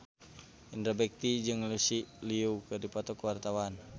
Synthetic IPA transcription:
indɾabɛk̚t̪id͡ʒɨŋlusiliukɨrdipɔt̪ɔkuwart̪awan

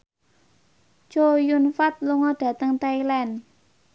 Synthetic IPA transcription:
t͡ʃojunfat̪̚luŋɔɖ̥ä̤t̪əŋt̪ailɛn

